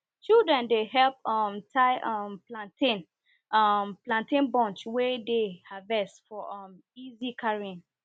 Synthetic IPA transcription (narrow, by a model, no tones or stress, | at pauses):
t͡ʃildɹɛ̃ndeɦɛlp̚ɔmtʰaɪʔɔmplãntĩn | mplãntĩnbɔ̃nt͡ʃwedehavɛstfɔʔɔm | izikʰaɹiĩn